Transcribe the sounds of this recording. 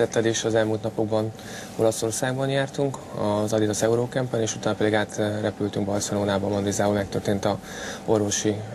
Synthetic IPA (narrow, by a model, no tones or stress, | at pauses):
ɛt̪ːɛd̪eːʃɒzɛlmuːlt̪nɒpo̞ɡbɒn | o̞̰lɒso̞rsaːɡbɒnjaːrt̪uŋkɒzɒd̪it̪ɒsɛuɾoːkɛmpːɛneːʃut̪aːnɒpɛd̪iɡaːt̪rɛpylt̪yŋkbɒrsɛloːnaːbɒmɒnd̪izaːulmɛk̚t̪ørt̪eːnt̪ɒ | o̞rvo̞ʃi